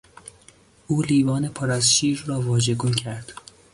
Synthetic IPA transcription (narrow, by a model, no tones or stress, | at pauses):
ʔuːliːbɒːne̞pʰoɾæzʃiːɾːɒːvɒːd͡ʒeɡuncʰæɾd̪̥